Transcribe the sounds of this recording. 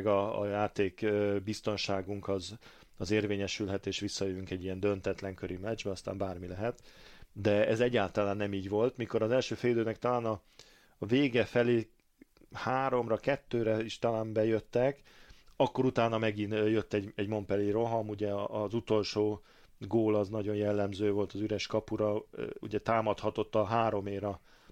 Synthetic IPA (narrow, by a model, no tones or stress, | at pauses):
ɡɒ̰ːjaːt̪eːkːbist̪o̞nʃaːɡuŋkɒz | ɒzeːrveːɲɛʃylɦɛt̪eːʃʋisːɒjøjyŋkɛɟːiɛnd̪ø̞nt̪ɛt̪lɛŋkøɾʔimɛɛd͡ʒbɛnɒst̪a̰ːmbaːrmilɛɦɛt̪d̪ɛɛzɛɟːaːlt̪ɒlaːnːɛmiːɟʋo̞lt̪miko̞ɾɒzɛlʃøːfɛjid̪øːnɛkt̪ɒlaːnɒ | veːɡɛfɛleː | haːɾo̞mrɒkɛt̪ːøːɾɛiʃt̪ɒlaːmbɛjøt̪ːɛk | ɒkːo̞ɾut̪aːnɒmɛɡinjøt̪ːɛɟɛɟmo̞mpɛliːɾo̞ɦɒmuɟɛːzut̪o̞lʃoː | ɡoːlɒznɒɟo̞njɛlːɛmzøːvo̞lt̪ɒzyɾɛʃkɒpuɾɒṵɟɛt̪aːmɒt̪hɒt̪o̞t̪ːɒɦaːɾo̞meːɾɒ